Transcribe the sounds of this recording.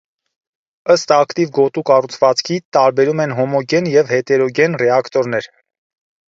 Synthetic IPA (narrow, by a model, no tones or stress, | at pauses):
əst̪ɑkt̪ivɡɔt̪ukɑrut͡sʰvɑt͡skʰit̪ɑɾbɛɾumɛnɦɔmɔɡɛnjɛvhɛt̪ɛɾɔɡɛnrɛɑkt̪ɔɾnɛɾ